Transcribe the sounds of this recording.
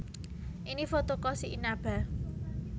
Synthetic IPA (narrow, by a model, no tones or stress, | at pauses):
ʔinifot̪okɔsiʔinab̥a̤